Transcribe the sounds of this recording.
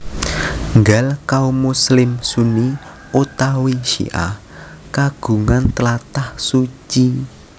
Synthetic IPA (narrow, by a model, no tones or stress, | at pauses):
ŋɡalkaumuslɪmsuni | ot̪awiʃḭʔa̰h | kaɡ̥ṳŋant̪əlat̪ahsut͡ʃi